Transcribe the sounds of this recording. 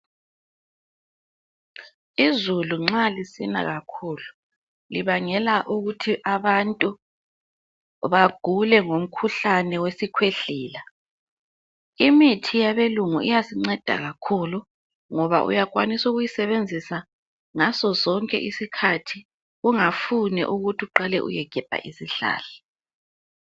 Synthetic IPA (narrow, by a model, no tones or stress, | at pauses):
izuluŋ͡ǁalisina̰ɣakʰuːlu | liβaŋɛlaʔuɣutʰiʔaβantʼu | βaɡ̥ʱulɛŋom̩kʰuɬanɛwesikʰweɬiːla | imitʰijaβeluŋuʔijasiŋ͡ǀɛd̥ʱa̰ɣakʰulu | ŋɔβa̰ʔṵjakʼwanisuɣujisɛβend͡zʱisa | ŋazɔzɔŋkʼɛ̰ʔisikʰatʰi | ɣuŋafunɛ̰ʔuɣutʰiuǃalɛ̰ʔṵjɛɡ̥ʱɛb̥ʱa̰ʔisiɬa̰ːla